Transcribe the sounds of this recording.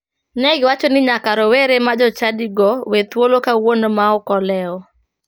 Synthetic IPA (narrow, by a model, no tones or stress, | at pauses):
nɛɡɪwat͡ʃonɪɲakaɾɔweɾemad͡ʒɔt͡ʃadiɡɔwet̪wolokawonmaɔkɔlɛɔ